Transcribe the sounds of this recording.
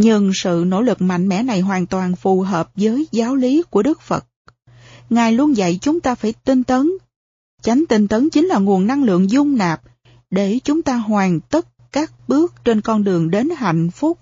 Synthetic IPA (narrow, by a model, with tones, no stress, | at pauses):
ɲɨ˧ŋsɨ̰˧˨no̰˧˥lɨ˨˩k̚ma̰˧˨jŋ̟mɛ̰˧˥na˨˩jɦwaː˨˩nt̪waː˨˩nfu˨˩ɦəː˨˩p̚zəː˨˦jzaː˨˦wli˨˦ku˧˩əɗɨ˦˥k̚fə̰˨˩t̚ | ŋaː˨˩jlu˧ənzə̰˧˨jt͡ɕʊ˨˦ŋ͡mt̪aː˧faː˧˩jt̪i˧nt̪ə˨˦n | t͡ɕa˨˦ŋ̟t̪i˧n̟t̪ə˨˦nt͡ɕi˨˦ŋ̟laː˨˩ŋu˨˩ənːa˧ŋlɨ̰˧˨əŋzʊ˧ŋ͡mnaː˨˩p̚ | ɗe˧˩t͡ɕʊ˨˦ŋ͡mt̪aː˧ɦwaː˨˩ŋt̪ə˦˥t̚kaː˦˥k̚ɓɨ˦˥ək̚t͡ɕe˧nkɔ˧nɗɨ˨˩əŋɗe˨˦nha̰˧˨jŋ̟fʊ˦˥p̚